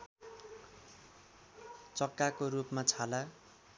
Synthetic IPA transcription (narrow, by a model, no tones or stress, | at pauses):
t͡sʌkːakoɾupmat͡sʰala